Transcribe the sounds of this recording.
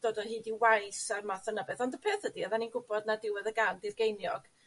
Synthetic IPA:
d̥oːdɔɦiːdiwajsarmaθɔnəbɛθɔndəpʰeːθədiɔðaninɡʊbɔdnadɪwɛðəɡandɪrɡejnjɔɡ̥

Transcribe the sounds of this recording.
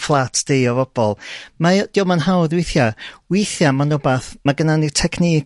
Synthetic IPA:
flˠatʰd̥eɔvɔb̥ɔlˠmad̥iowmanɦawðwɪjθjawɪjθjamanɔbaθmaɡənanitʰɛkʰni

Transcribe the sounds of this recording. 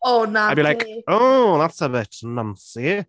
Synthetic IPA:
oʊnaɪbilaɪkoðætsəbɪtnʌ̃msi

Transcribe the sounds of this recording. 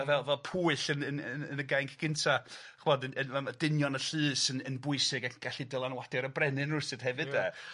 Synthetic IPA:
avɛlˠvɛlpʰuːɨɬənənənənəɡajŋkʰɡ̥ɪntʰaχvɔdənənmamadɪnjɔnəɬɨːsənənbʊɨsɨɡakʰɡ̥aɬidəlˠanwad̥ɛɾəbrɛnɨnrʊsɨd̥hɛvɨdɛ

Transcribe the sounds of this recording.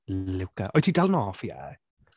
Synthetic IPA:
lɪwkʰaʔɔjtʰidalˠnɔfjɛ̰

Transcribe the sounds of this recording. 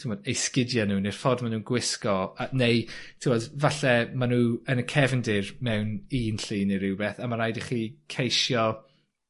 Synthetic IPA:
tʰɪmɔdejskɪdjanuːnɪrfɔdmanuːnɡwɪskɔanejtʰɪwɔdvaɬɛmanuːənəkʰɛvəndɪrmɛwniːnɬiːniɾɪwbɛθamaɾajdiχiːkʰejʃjɔ

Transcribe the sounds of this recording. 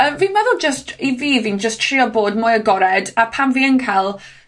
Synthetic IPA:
əviːnmɛðʊlˠd͡ʒəstiviːviːnd͡ʒəstʰriɔboːdmʊjəɡɔɾɛdapʰamviːənkʰajlˠ

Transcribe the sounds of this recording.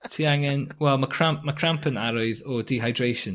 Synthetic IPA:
tʰiːaŋɛnwɛlˠmakʰr̥ampmakʰr̥ampʰənaɾɔɨðɔdiɦajdrejʃən

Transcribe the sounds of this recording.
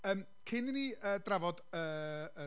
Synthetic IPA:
əːm | kʰɪniniəːdravɔdəːə

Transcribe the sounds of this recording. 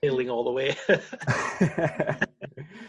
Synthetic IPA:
eɪlˠɪ̃ŋɔlˠðəweɪ

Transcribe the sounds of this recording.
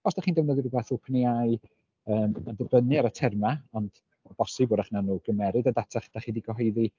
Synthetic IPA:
ɔsd̥aχiːndɛvnəðɪvəbɛθupʰəniaɨ | əːmandəbənɨaɾətʰɛrmaɔnd̥ | ɔb̥ɔsɨboːdaχnanuːɡ̥əmɛɾɨdadatʰaχd̥aχiːdiɡɔɦɔɨði

